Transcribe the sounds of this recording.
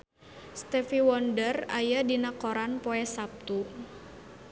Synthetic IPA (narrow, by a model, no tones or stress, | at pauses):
st̪ɛfiwɔndəra̰jadinakɔɾanpɔɛsap̚t̪u